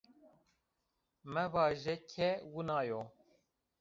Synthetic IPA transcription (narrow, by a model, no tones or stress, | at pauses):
mɛvɑːʒɛkʰɛwunɑːjoː